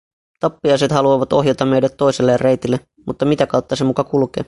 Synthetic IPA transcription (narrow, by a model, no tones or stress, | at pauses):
t̪ɑpːiɑjset̪hɑluɑʋɑt̪o̞ɦjɑt̪ɑmːeɥdæt̪ːo̞jselːejɑre̞jt̪ilːe | mut̪ːɑmit̪ækɑwt̪ːɑsemukɑkulkḛː